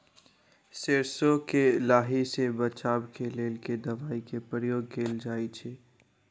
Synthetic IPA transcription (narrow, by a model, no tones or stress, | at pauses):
seɾsokelaːɦisebɐt͡ʃaːbkeleːlked̪ɐʋaːikepɾəɾjoːɡ̚keːld͡ʒaːit͡ʃʰeː